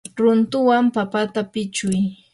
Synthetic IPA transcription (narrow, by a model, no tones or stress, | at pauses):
ɾʊnt̪ʊwampapat̪apɪt͡ʃʊj